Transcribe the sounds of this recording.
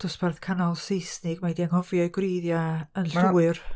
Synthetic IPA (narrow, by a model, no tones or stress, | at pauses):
d̥ʊsb̥ɛrθkʰanɔlˠsejsnɪɡmajdianhɔvjɔɨɡwreːðjaənɬʊːɨr